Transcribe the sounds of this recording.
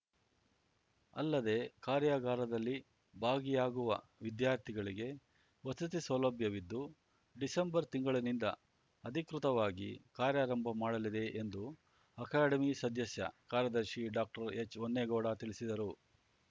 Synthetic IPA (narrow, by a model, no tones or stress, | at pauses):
ɐ̰lːɐd̪e̞kaːɾjaːɡaːɾɐd̪ɐlːi | bʱaːɡijaːɡuʋɐ̰ʋid̪jaːɾt̪ʰiɡɐɭiɡe̞ | ʋɐsɐt̪̬isɐlɐbʱjɐʋid̪ːu | ɖisembɐɾt̪iŋɡɐɭɐnind̪ɐ̰ | ɐd̪ʱikɾut̪ɐʋaːɡḭkaːɾjaːɾɐmbʱɐmaːɽɐlid̪e̞ʔend̪u | ɐkaːɖɐmisɐd̪ʱjɐsjɐ̰kaːɾjɐd̪ɐɾʂiɖaːk̚ʈɐɾet͡ʃːonːeɡɔːɽɐt̪iɭisid̪ɐɾu